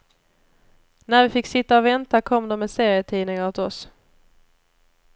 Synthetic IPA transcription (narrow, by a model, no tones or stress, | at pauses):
næɾvɪfɪkːsɪt̪ːaɔvɛnt̪akʰɔmːd̪ɔmɛseːɾɪət̪ʰiːnɪŋaɾt̪ʰɪɔs